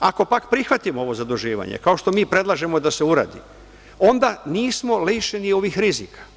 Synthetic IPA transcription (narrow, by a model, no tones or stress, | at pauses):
ako̞pakpɾixʋat̪imoo̞ʋo̞zad̪uʒiːʋa̰ɲḛkao̞ʃt̪o̞miːpɾe̞d̪lˠaːʒe̞mo̞d̪ase̞uɾa̰ːd̪ḭ | o̞nd̪aniːsmo̞leːʃenio̞ʋixɾizikʰḁ